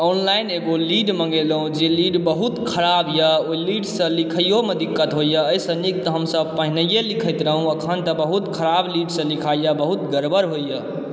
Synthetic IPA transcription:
ɔnlaineɡoliɖmə̃ŋɡelɦũd͡ʒeliɖbəɦut̪kʰəɾabjəoiliɖsə̃likʰəjomed̪ikːət̪ɦojəəjsə̃nik̚t̪ɔɦəmsəb̚pəɦinəjelikʰəjt̪ɾəɦũəkʰənt̪əbəɦut̪kʰəɾabliɖsə̃likʰajjəbəɦut̪ɡəɾbəɾɦojə

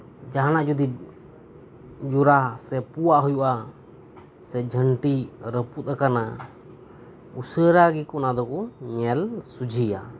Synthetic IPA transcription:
d͡ʒaɦanaʔd͡ʒud̪ib̚ | d͡ʒuɾasɛpuwaʔɦujuʔa | sɛd͡ʒʱəɳʈiɾəput̪̚akana | usəɾaɡikɔnad̪ɔkɔɲɛlsud͡ʒʱija̰

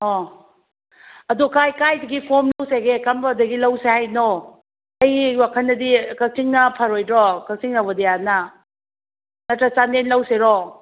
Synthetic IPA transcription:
ɔ | ɐdukajkajdɐɡipʰomlɐwseɡekɐmbɐdɐɡilɐwsehajnɔ | ɐjiwakʰɐnːɐdikɐk̚siŋnɐpʰɐɾojdɾɔkɐk̚siŋnɐbɐdejanɐ | nɐtɾɐt͡ʃanenlɐwseɾɔ

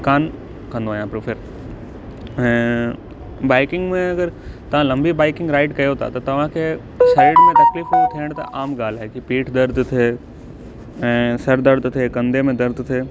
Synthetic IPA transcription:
kaːn | kɐ̃nd̪oaːɦjãpɾofʰɪɾ | ɦɛ̃ː | baːɪkɪ̃ŋɡmẽɐɡəɾt̪ɐʋ̤ãlɐ̃mbibaːɪkɪ̃ŋɡɾaːɪʈkɐjot̪ʰa̰t̪ɐt̪ɐʋ̤ãkʰeː | saɪɖmẽt̪ɐklɪfɦojot̪ʰiːɽ̃t̪ɐ̰ʔaːmɡaːl̤aːɦekipiːʈʰd̪ɐɾd̪ʱt̪ʰeː | ɛ̃ːsɐɾd̪əɾd̪t̪ʰeːkɐ̃nd̪emẽd̪ɐɾd̪t̪ʰeː

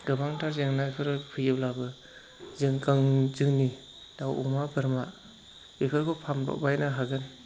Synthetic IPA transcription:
ɡ̥ɯbaŋtʰaɾzeŋnajpʰɯɾɯpʰɯjɯblabɯ | zɯŋkaŋzɯŋni | d̥awṵmabɯɾma | bikʰɯɾkʰɔpʰamdɔ̰k̚bajnaɦaɡɯn

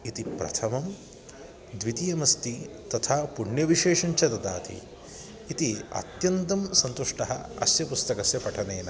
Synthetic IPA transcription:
it̪ipɾɐ̰t̪ʰɐmɐm | d̪ʋit̪ijɐmɐst̪it̪ɐt̪ʰaːpuɳjɐʋiʃeːʂɐɲt͡ʃʰɐt̪ɐd̪a̰ːt̪ʰḭː | t̪iɐ̰t̪jɐnt̪ɐmsɐnt̪uʂʈɐɦɐɐ̰sjɐpust̪ɐkɐsjɐpɐʈʰɐneːnɐ

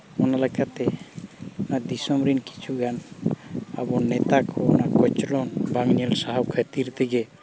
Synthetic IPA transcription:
ɔnalekʰat̪ɛ | nad̪isɔmɾinki̥t͡ʃʰuɡan | a̰bɔnːɛt̪akʰɔnakɔt͡ʃlɔnbaŋnelsaɦawkʰat̪iɾt̪ʰiɡe

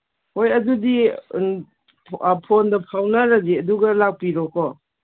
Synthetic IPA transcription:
hojɐdudi | pʰondɐpʰawnaɾaziɐduɡɐlak̚piɾɔkɔ

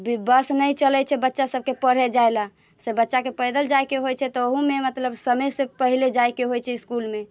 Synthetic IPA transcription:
bbəsnəjt͡ʃəlɛt͡ʃʰɛbətːʃasəb̚kepəɽ̤ɛd͡ʒajla | sebətːʃakepəjd̪əld͡ʒajkeɦojt͡ʃʰɛt̪ɔoɦumemət̪ləbsəməjsẽpəɦiled͡ʒajkeɦojt͡ʃʰɛiskulme

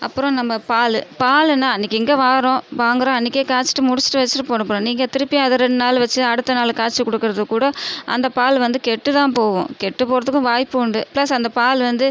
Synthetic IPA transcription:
ʔɐpːɯɾɔ̃nɐmːɐpaːlpaːlnːaːɐnːɪkːɛŋɡeːʋaːɾõʋaːŋɡɯɾõɐnːɪkːeːkaːɾt͡ʃːɪ̥ʈːɯmʊɽɪt͡ʃːɪ̥ʈːɯʋɐt͡ʃːɪʈːɯpoːɽɯpːɾõːniːŋɡɐt̪ɪɾɯpːɪjaːɐðɯɾɛɳɖɯnaːlʋɐt͡ʃːɯɐɽɯt̪ːɐnaːlkaːɾt͡ʃːɯkɔɽɯkːɯɾɐðɯkːuːɽɐʔɐ̰nd̪ɐpaːlʋɐnd̪ɯkɛʈːɯt̪ãːpoːʋõ̰kɛʈːɯpoːɾɐðɯkːʊ̃ʋaːjpːɯʊɳɖɯplɐsɐnd̪ɐpaːlʋɐnd̪ɯ

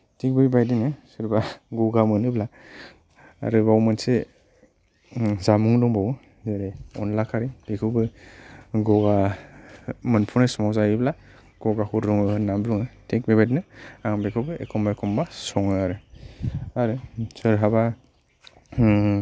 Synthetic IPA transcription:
tek̚biibajdinɯsɯɾbaɡɔɡamɯnɯbla | ɾɯbawmɯnse | zamuŋdɔŋbaw | zeɾeɔ̰nlakʰaɾibekʰɯbɯ | ɡɔɡa | mɯnpʰunasmawzajibla | ɡ̥ɔɡahuɾɾuŋɯnambluŋɯtʰek̚bibajdinɯaŋbekʰɯbɯḛkʰɔmbaekʰɔmbasɔŋɯaɾɯ | aɾɯsɯɾɦaba

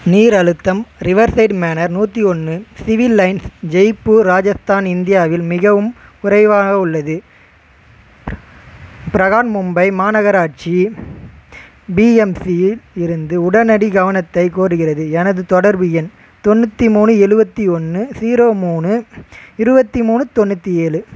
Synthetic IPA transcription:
niːɾɐɻɯt̪ːɐmɾɪʋɐɾsɐɪʈmeːnɐɾnuːt̪ːiɔnːɯsɪʋɪlːɐɪnsd͡ʒɛɪpːɯɾaːd͡ʒɐst̪aːnɪnd̪ɪjaːʋɪlmɪɣɐʋɯmʊɾɐɪʋaːɣɐʊɭːɐðɯ | pɪɾɐɣaːnmɯmbɐɪmaːnɐɣɐɾaːʈ̚t͡ʃi | biːɛmsijlɪɾɯnd̪ɯʊɽɐnɐɽiɡɐʋɐnɐt̪ːɐɪkoːɾɯɣɪrɐðɯɛnɐðɯt̪ɔɽɐɾbɯjɛn | t̪ɔnːɯt̪ːimuːnɯɛɻɯbɐt̪ːiɔnːɯsiːɾoːmuːnɯɪɾɯbɐt̪ːimuːnɯt̪ɔnːɯt̪ːieːlɯ

